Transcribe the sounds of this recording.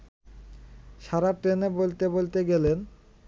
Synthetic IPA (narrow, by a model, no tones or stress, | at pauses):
ʃaɾaʈɾenebolt̪ebolt̪eɡelen